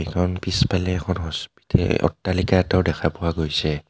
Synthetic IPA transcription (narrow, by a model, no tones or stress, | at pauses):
ɛkʰɔnpispalɛːkʰɔnɦɔspi̥tʰɛ̰ɔ̰tːalikatɔwdɛkʰapʊwaɡojsɛ